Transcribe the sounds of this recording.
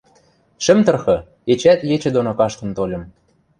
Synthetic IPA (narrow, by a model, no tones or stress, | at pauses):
ʃɘ̆mt̪ɤ̆rxɤ̆ | et͡ɕæt̪jet͡ɕɘ̆d̪onokɑʃt̪ɤ̆nt̪olʲɤ̆m